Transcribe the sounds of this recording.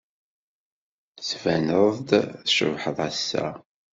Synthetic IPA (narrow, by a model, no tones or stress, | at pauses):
svænəðˤd̪θʃə̰vħəðˤæsːæ̰